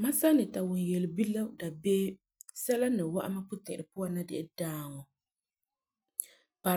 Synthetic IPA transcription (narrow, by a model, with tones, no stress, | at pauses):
ma˦sa˦nɨ˨ta˨wʊ˨n˨jɛ˨lbi˦la˦da˨beː˦ | sɛ˦la˦nɨ˨wa̰˦ʔa˦ma˦pʊ˦tɛ̰˨ɾɨ˨pʊ˦a˦na˦dɪ˦ʔɪ˦daː˦˨ŋɔ˨ | pa˨